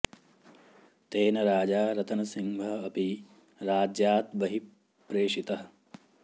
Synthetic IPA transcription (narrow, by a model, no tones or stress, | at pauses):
t̪eːnɐɾaːd͡ʒaːɾɐt̪ɐnɐsiŋbʱɐɦːpi | ɾaːd͡ʒjaːt̪ʋɐɦi | pɾeːʂit̪ɐɦɐ